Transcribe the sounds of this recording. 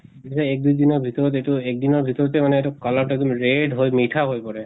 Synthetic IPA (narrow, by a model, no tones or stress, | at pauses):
iitaɛk̚dujdinɔɹbʱitɔɹɔtetuɛk̚dinɔɹbʱitɔɹɔtɛmanɛːtukalɔɹtɛk̚dɔmɹeɖɦojmitʰaɦojpɔɹɛ